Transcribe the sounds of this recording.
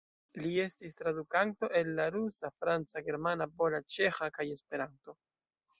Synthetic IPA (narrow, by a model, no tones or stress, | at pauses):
lie̞stistɾadukanto̞ʔe̞lːaɾusafɾant͡saɡe̞ɾmanapo̞lat͡ʃe̞xakaje̞spe̞ɾanto̞